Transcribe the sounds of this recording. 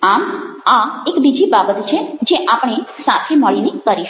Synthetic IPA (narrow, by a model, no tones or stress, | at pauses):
amaekbid͡ʒibabət̪t͡ʃʰed͡ʒeʔapɳ̃esat̪ʰeməɭinekəɾiʃ